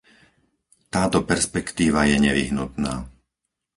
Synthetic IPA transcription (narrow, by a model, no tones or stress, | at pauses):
t̪aːt̪ɔpɛɾspɛkt̪iːʋajɛɲɛʋḭɦnut̪na̰ː